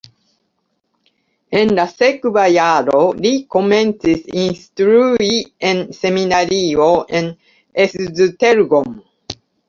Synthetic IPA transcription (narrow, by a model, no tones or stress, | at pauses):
ẽnd̪asekɨbajaɾoɾikomẽnsisĩnst̪ɾuiẽnseminaɾioʔẽn | esɨzɨt̪eɾɡõm